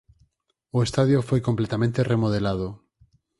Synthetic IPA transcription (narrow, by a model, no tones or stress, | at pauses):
oest̪aðjofojkomplet̪amẽnt̪eremoð̞elað̞o